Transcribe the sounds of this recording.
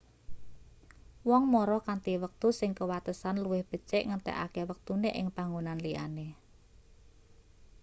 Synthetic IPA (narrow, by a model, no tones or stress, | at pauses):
wɔŋmɔɾɔkant̪iwək̚t̪usɪŋkəwat̪əsanluwɪhb̥ə̤t͡ʃɛʔŋənt̪ɛ̰ʔa̰kɛwək̚t̪uneʔɪŋb̥aŋunanlia̰ne